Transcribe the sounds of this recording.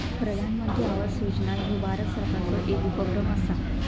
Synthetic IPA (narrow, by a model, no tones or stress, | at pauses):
pɾəd̪ʱanməd̪jiaʋəsjud͡ʑnaɦiʋaɾəsəɾkʰat͡səʔekupəɡɾəməsa